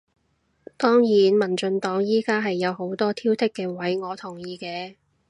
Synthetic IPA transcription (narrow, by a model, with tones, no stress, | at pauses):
t̪ɔː˥ŋjiː˨˥nmɐ˨˩nt͡ʃɵ˧nt̪ɔː˨˥ŋjiː˥kaː˥ɦɐ˨jːɐ˨˧who˨˥wt̪ɔː˥t̪ʰiː˥wt̪ʰɪ˥kːɛː˧wɐ˨˥jŋɔː˨˧t̪ʰʊ˨˩ŋjiː˨˧kɛː˧